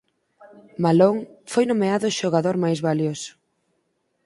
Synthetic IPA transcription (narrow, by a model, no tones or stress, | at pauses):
maloŋfojnõmeaðʊʃoɣaðoɾmajzβaljosʊ̥